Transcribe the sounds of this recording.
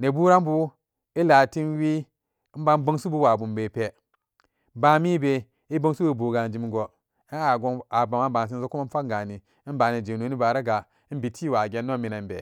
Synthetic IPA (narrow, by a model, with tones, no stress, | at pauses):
ne˨bu˦ɾa˦mbu˦ | i˦la˨ti˦nwi˦ | m̩˦ba˦n˦bə˦ŋsu˦bu˦wa˨bu˨mbe˨pe˨ | ba˦mi˦be˨ | i˦bo˦ŋ˦su˦bu˨bu˨ɡa˨n˦d͡ʒi˨m˨˦ɡo˨˦˨ | ɡa˨ba˨ma˦ba˨n˨s̬i˦nzo˦ku˦a˦fa˦˨ɡa˨ni˨ | i˦n˦ba˨ne˨d͡ʒe˨no˨˦ni˦ba˨ɾa˦ɡa˨˦ | bi˨ti˦˨wa˨ɡʲe˨˦nːo˦mi˨na˨nbḛ˨